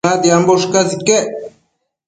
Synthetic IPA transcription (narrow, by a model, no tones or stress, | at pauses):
ad̪iamboʃkazike